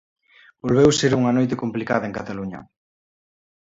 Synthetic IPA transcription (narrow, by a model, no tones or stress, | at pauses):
b̥olβewseɾuŋɐnojt̪̬ekomplikaðɐeŋkat̪aluɲɐ̰